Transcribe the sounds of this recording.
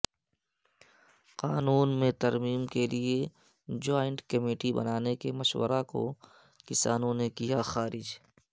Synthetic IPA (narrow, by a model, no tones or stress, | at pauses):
qaːnuːnmẽt̪ɐɾmiːmkelie | d͡ʒoːɪ̃ɳʈkɐmiːʈibɐ̰naːnekemɐʃwə̰ɾako̰ | kɪsa̰ːnõnekijaxaːɾɪd͡ʒ